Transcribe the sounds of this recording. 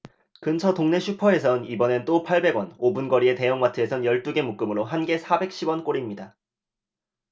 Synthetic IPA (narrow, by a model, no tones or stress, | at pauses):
kɯnt͡ɕʰʌtoŋne̞ɕʰupʰʌe̞sʰʌnibʌnent͈opʰaɭbe̞ɡwʌnobunɡʌɾie̞te̞jʌŋmatʰɯe̞sʰʌnjʌɭt͈uɡe̞muk͈ɯmɯɾoɦanɡe̞sʰabe̞k̚ɕ͈ʰibwʌnk͈oɾimɲida